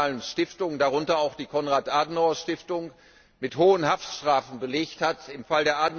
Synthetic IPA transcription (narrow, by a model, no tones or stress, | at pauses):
lənʃtɪftʊŋdaʁ̞ʊntɐaʊxd̥iːkʰɔnʁaːtʔaːdn̩aʊɐʃtɪftʊŋ | mɪthoːənɦaftʃtʁ̥aːfn̩bəleːçthatɪmfaldeːɐʔaːdn̩